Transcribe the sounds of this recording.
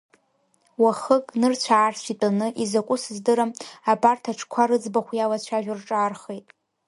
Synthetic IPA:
waχəkʼnɨrt͡ɕʷʰaːrsʷʰitʼanɨʔizakʷʼʊsɨzdɨɾamabartʰaʈ͡ʂʰkʷʰaɾɨd͡zbaχʷjalat͡ɕʷʰaʒᶣarʈ͡ʂʼaːrχejtʼ

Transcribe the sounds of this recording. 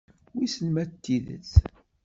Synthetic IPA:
wisəlmæt̪ːiðə̰t͡s

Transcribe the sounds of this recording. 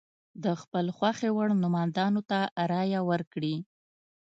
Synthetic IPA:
d̪əxpəlxwaxewəɽnʊmɑnd̪ɑnot̪aɾɑjawəɾkɽi

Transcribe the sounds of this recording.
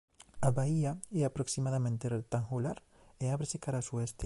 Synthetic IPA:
aβaiaɛapɾoksimaðamẽnt̪eret̪aŋxulaɾ | eaβɾesekaɾasuɛst̪e

